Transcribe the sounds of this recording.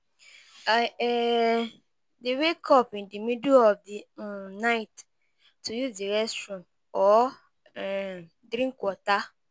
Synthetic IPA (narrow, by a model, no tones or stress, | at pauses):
aɛ | dewekʰɔpĩndimidoɔfdinaɪt | tʰːujuzdiɾɛstɾɔ̃n | ɔ | ɛ | dɾĩŋkwɔta